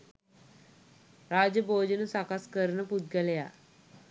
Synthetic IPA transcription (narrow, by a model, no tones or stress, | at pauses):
ɾaːd͡ʑəboːd͡ʑənusakaskəɾnəpud̪̚ɡaleja̰